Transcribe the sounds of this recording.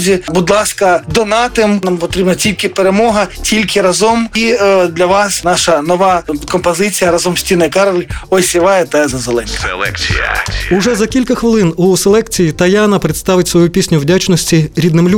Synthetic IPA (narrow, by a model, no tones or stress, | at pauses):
zʲibud̪lˠɑskɐd̪ɔnɑt̪ɪmnɑmpɔt̪ɾʲibnɐtʲilʲkʲɪpeɾemɔɦɐtʲilʲkɪɾɐzɔmid̪lʲɐʋɑsnɑʃɐnɔʋɑkɔmpɔzɪt͡sʲijɐɾɐzɔmsʲtʲinɐjkɑɾʋɪɔsʲiʋɑjɛt̪ɛzɐzelˠɛnʲkɐ | uʒɛzɐkʲilʲkɐxʋɪlˠɪnuselˠɛkt͡sʲijit̪ɐjɑnɐpɾet̪st̪ɑʋɪtʲsʋɔjupʲisʲnʲʊwdʲat͡ʃnɔsʲtʲiɾʲid̪nɪmlʲ